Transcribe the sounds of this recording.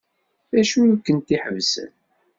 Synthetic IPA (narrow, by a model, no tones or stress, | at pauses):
θæʃukːənt̪iħəvsə̰n